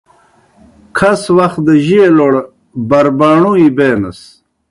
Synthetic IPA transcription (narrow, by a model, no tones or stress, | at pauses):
kʰɐswɐxt̪d̪əʑieloɽ | bɐɾbaːɳuibeːnɐs